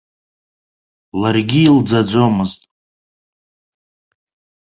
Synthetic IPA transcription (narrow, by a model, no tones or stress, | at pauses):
larɡʲiːld͡zad͡zʷo̞mɨztʼ